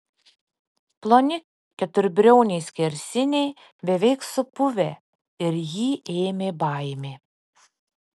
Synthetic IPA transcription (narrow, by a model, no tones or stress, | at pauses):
plˠonʲɪk | kʲɛt̪ʊɾʲbʲɾʲɛʊnʲɛɪsʲkʲɛɾʲsʲɪnʲɛɪ | bʲɛʋʲɛɪksʊpʊʋʲe | ɪɾjiːʔeːmʲeːbɐˑɪmʲeː